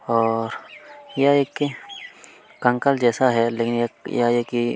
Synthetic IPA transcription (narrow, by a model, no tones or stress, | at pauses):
ɔɾjajekːi | kaŋkald͡ʒɛsaɦɛlekɪnjajajeki